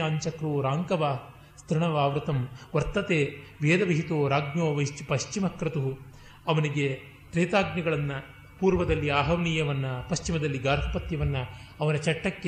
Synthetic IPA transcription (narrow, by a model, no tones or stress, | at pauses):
aːɲt͡ʃɐkɾuːɾaːŋkɐʋaː | st̪ɾiɳɐʋaːʋɾut̪ɐmʋɐɾt̪ɐt̪eːʋeːd̪ɐʋiɦit̪oːɾaːɡnoːʋɐt͡ʃipɐʃt͡ʃimɐkɾɐt̪uɦu | ɐʋɐniɡe | t̪ɾeːt̪aːɡnɐɡɐɭɐnːɐ | puːɾʋɐd̪ɐlːiaːɦɐʋniːjɐʋɐnːɐpɐʃt͡ʃimɐd̪ɐlːiɡaːɾɦʰɐpɐt̪jɐʋɐnːɐːʋɐnɐt͡ʃɐʈːɐkːe